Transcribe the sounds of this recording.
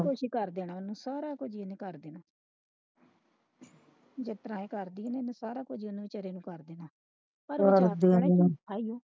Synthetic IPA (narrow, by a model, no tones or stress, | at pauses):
kʊʃikəɾd̪eːnaːʊnːũːsaːɾaːkʊd͡ʒienẽːkəɾd̪eːnaː | d͡ʒɪt̪ɾãːẽːkəɾd̪iːneːnẽːsaːɾaːkʊd͡ʒiʊnũːɪt͡ʃəɾeːnũːkəɾd̪eːnaː | pəɾəɾd̪eːaːijoː